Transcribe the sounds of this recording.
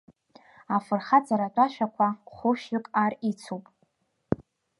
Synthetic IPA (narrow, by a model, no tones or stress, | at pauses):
afɨrχat͡sʰʼaɾatʷʼaʃᶣakʷʰaχʷʊʃʏkʼarit͡sʰowpʼ